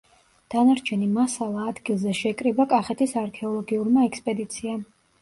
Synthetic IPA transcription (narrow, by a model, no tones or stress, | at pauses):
d̪̥anaɾt͡ʃʰɛnimasalˠaːd̪ɡilˠzɛʃɛkʼɾibakʼaχɛt̪ʰisaɾkʰɛɔlˠɔɡiuɾmaɛkspʼɛd̪it̪sʰia